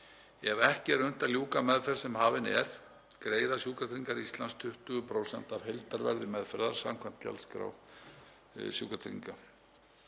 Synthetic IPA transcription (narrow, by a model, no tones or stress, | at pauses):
ɛvɛhcɪɛɾœn̥t̪aðljuːkamɛðfɛɾ̥sɛmhaːvɪnɛɾ̥ | kɾeːjðasjuːkat̪ʰɾiŋkaɾist̪lanst̪ʰʏht̪ʏɣʏpʰɾowsɛn̥t̪avhelt̪aɾvɛɾðɪmɛðfɛɾðaɾ̥sa̰mkʰvɛn̥t̪ca̰lskɾa̰w | sjuːkat̪ʰɾḭŋka